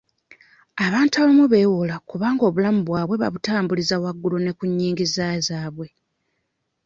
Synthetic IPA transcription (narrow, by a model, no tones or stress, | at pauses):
aβaːntuaβimuβe̞ːwolakuβaːŋɡo̞βulamuβwaːβwe̞βa̰βutaːmbulizawaɡːulune̞kuɲːiːŋɡizazaːβwe̞